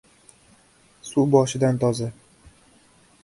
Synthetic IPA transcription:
subɒʃɪd̪ant̪ʰɒza

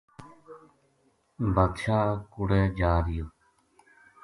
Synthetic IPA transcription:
bʱəd̪ʃaːkʊɽeːd͡ʒaːɾɪjoː

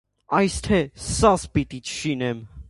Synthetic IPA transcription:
ɑjst̪ʰɛsɑspit̪it͡ʃʰʃinɛm

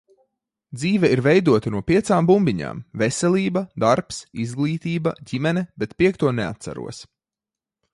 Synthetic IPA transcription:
d̪ziːvɛiɾvɛjd̪uɔt̪ɐnuɔpʲiɛt̪saːmbumbʲiɲa̰ːmvɛsʲɛlʲiːbɐd̪aɾpsizɡlˠiːt̪iːbɐɟimɛnɛbɛt̪pʲiɛk̚t̪uɔnɛa̰t̪sa̰ɾṵɔs

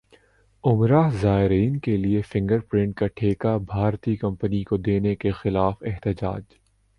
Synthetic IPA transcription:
ʊmɾaːɦzaːɪɾiːnkeliefɪ̃ŋɡəɾpɾɪ̃ɳʈ̚kaʈʰeːkabʱaːɾt̪ikɐ̃mpənikod̪eːnekexɪlaːfɪɦt̪ɪd͡ʒa̰ːd͡ʒ

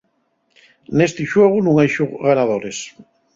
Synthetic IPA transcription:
nest̪iʃweɣ̞unũŋajʃoɣanaðoɾes

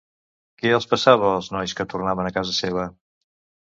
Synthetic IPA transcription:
kɛəlˠspəsaβ̞əːlˠznɔjskət̪urnaβənəkazəseβ̞ə

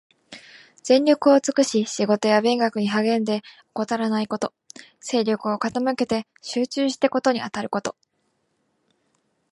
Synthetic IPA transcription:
z̥ẽ̞ɲʲɾʲo̞kɯ̟o̞t͡sɨ̥kɯ̟ɕiɕiɡo̞t̪o̞jabẽ̞ŋɡakɯ̟ɲ̟iɦaɡẽ̞nd̪e̞oko̞t̪aɾanaiko̞t̪o̞ | se̞ːɾʲo̞kɯ̟o̞kat̪amɯ̟ke̞t̪e̞ | ɕɨːt͡ɕɨːɕi̥t̪eko̞t̪oɲ̟iat̪aɾɯ̟ko̞t̪o̞̥

